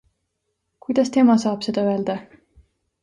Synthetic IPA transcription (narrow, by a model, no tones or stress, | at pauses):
kujd̪̥ɑst̪e̞mɑsɑːb̥se̞d̪̥ɑøe̞ld̪̥ɑ